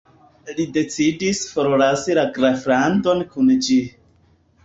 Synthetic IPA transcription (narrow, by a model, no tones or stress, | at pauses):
lide̞t͡sidisfoɾolasilaɡɾafɾando̞nkʰund͡ʒi